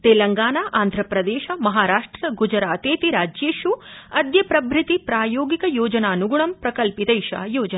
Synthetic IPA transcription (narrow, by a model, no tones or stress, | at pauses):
t̪eːlɐŋɡaːnaːʔaːnd̪ʱɾɐpɾɐd̪eːʃɐmɐɦaːɾaːʂʈɾɐɡud͡ʒɾaːt̪eːt̪iɾaːd͡ʒjeːʃuɐd̪jɐpɾɐbʱɾit̪ipɾaːjoːɡikɐjoːd͡ʒɐnaːnuɡuɳɐmpɾɐkɐlpit̪ɐjʃa̰ːjoːd͡ʒɐn